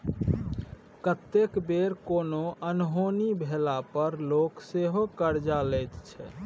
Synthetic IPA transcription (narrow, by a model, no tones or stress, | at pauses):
kət̪ːekbeɾkonoənɦonibʱelapəɾlokseɦokəɾd͡ʒalɛjt̪t͡ʃʰɛ̰